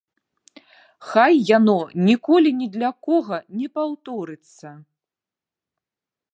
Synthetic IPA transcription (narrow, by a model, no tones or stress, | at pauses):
xajːanɔnʲikɔlʲinʲɛd̪lʲakɔɣɐnʲɛpawt̪ɔɾɨt̪sːɐ